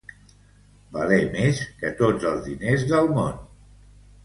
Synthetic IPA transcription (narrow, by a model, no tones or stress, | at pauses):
balemeskət̪od͡zəlˠzðinezðəlˠmon